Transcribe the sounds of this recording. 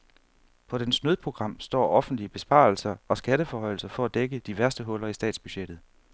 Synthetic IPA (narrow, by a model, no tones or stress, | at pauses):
pʰɒ̽densnøðˠpʰʁo̝ɡ̥ʁɑ̈m̰sd̥ɒ̰ːɒ̽fn̩d̥liəb̥e̝sb̥ɑ̰̈ːl̩sɐɒ̽sɡ̥æɾəfɒɦɒ̽ɪ̰l̩sɐfɒ̽æd̥eɡəd̥iʋæɐsd̥əɦɔ̽lɐisd̥ɛ̰ːd̥sb̥yɕed̥ð̩ˠ